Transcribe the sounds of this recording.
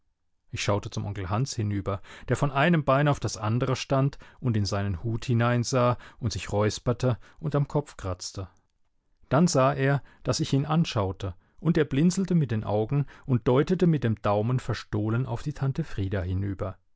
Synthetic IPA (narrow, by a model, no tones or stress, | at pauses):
ʔɪçʃaʊtət͡sʊmʔɔ̰ŋkl̩ɦanshɪnyːbɐd̥eːɐfɔnʔaɪnəmbaɪnaʊfd̥asʔandəʁəʃtantʔʊntɪnzaɪnənhuːthɪnaɪnzaːʊntz̥ɪçʁɔʏspɐtʰəʊntamkʰɔp͡fkʁ̥at͡stə | d̥anzaːʔeːɐd̥asɪçiːnʔanʃaʊtʰə | ʔʊnteːɐblɪnt͡sl̩təmɪt̚d̥eːnʔa̰ʊɡŋ̩ʊnt̚d̥ɔʏtətəmɪt̚d̥eːmd̥aʊmənfɛɐʃtoːləna̰ʊfd̥iːtʰantəfʁ̥iːdaːhɪnyːbɐ